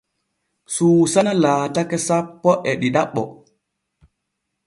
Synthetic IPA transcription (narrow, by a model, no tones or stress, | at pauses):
suːsanalaːtakɛsapːɔʔɛɗiɗaɓːɔ